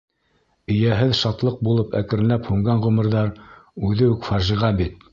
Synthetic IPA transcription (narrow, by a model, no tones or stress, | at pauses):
ɘ̆jæɦɘðʃɑt̪lˠɤq̚bulˠɤpæ̰kɘ̆ɾɘ̆læphʉŋɡæɴʁɵ̆mɘ̆ɾðɑɾʉðɘʉkfɑʒiʁɑbit̪̚